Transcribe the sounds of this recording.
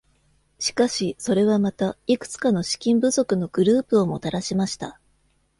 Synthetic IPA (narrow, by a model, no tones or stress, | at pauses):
ɕi̥kaɕiso̞ɾe̞β̞amat̪aikɯ̟̥t͡sɨ̥kano̞ɕi̥kʲĩmbɯ̟zo̞kɯ̟no̞ɡ̥ɯ̟ɾɯ̟ːpɯ̟o̞mo̞̰t̪aɾaɕimaɕi̥t̪a